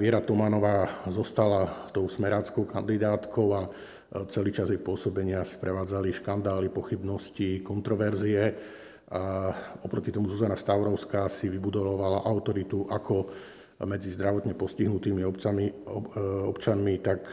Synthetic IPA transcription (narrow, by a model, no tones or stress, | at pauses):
ʋɪɛɾat̪ɔmanɔʋaːzɔst̪alat̪ɔʊsmɛɾaːt͡skɔʊkand̪id̪aːt̪kʰɔʊa | t͡sɛliːt͡ʃazjɛjpʊɔsɔbɛɲɪasi̥pɾɛʋaːd͡zaliʃkand̪aːlipɔxibnɔscikɔnt̪ɾɔʋɛɾziɛ | aɔpɾɔcit̪ɔmuzuzanast̪aʊɾɔʊskaːsiʋibud̪ɔʋaʋalaʔaʊt̪ɔɾit̪uʔakʰɔ | mɛd͡zizd̪ɾaʋɔt̪ɲɛpɔsciɦnut̪iːmiɔ | ɔpt͡ʃanmit̪ak